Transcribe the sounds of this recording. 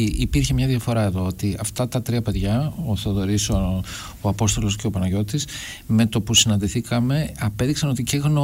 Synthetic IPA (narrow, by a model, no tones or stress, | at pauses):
ipiɾçe̞mɲɐðiɐfo̞ɾɐe̞ðo̞ot̪iɐft̪ɐt̪ɐt̪ɾiɐpe̞ðʝɐoθoðo̞ɾiso | oɐpo̞st̪o̞lo̞sce̞o̞pɐnɐʝo̞t̪is | me̞t̪o̞pusinɐnd̪iθikɐme̞ɐpe̞ðiksɐno̞t̪ice̞ɣno